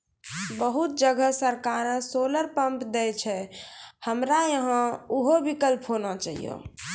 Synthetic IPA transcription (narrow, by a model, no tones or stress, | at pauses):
bəɦut̪̚d͡ʒəɡʱəsəɾkaɾə̃soləɾpəmpd̪ɛt͡ʃʰɛhəmɾajəɦə̃uɦobikəlpɦonat͡ʃaɦḭjo̰